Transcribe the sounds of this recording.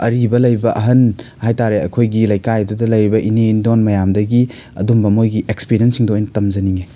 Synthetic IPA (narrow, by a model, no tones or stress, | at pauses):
ɐɾibɐlɐjbɐʔɐɦɐn | hajtaɾeɐ̰kʰojɡilɐjkajdudɐlɐjɾibɐʔinendonmɐjamdɐɡi | ɐ̰dumbɐmojɡiʔekspiɾiɐnsiŋdojntɐmzɐniŋe